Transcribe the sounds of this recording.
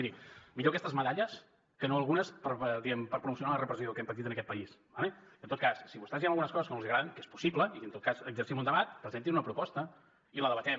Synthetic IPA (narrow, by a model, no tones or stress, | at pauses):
iɾimiʎokɛst̪əzməðaʎəs | kənoəlˠɣunəspəɾd̪iɛmpəɾpɾumusiunalərəpɾəsiokɛmpət̪̬it̪ənəkɛt̪̚pəisbaleənt̪ot̪̚kassiβust̪aziẽmlˠɣunəskɔzəskənolzðiɣɾaðənkespu̥siβləiənt̪ot̪̚kasəɡzəɾsimund̪əβat̪̚pɾəzent̪inunəpɾupɔst̪ə | iləðəβət̪ɛm